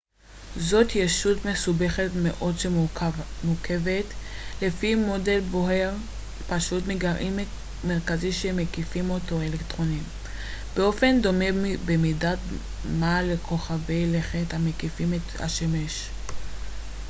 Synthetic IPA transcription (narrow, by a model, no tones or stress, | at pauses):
zo̞tjeʃutme̞sube̞χetmeʔo̞dʃemukʰe̞vetle̞fimode̞lbo̞ɦe̞ʁ | paʃutmiɡaʁʔim | meʁkaziʃemekifimotoelektʁo̞nim | b̥eo̞fe̞ndo̞mebemidat | malekʰo̞χaveleχethamekifimetha̰ʃemeʃ